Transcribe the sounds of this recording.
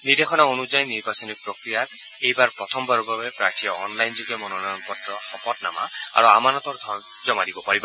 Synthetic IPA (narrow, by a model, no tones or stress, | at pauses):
niɹd̪exɔnaonuzajniɹbasɔnik̚pɹɔkɹijat̪ | ejbaɹpɹɔt̪ʰɔmbaɹubabɛpɹaɹtʰijɔɔnlajnzuɡiɔmɔnɔnajɔnpɔtɹɔxɔpɔtna̰ma̰a̰ɹuamanɔt̪ɔɹd̪ʱɔn | zɔmadibɔpaɹiba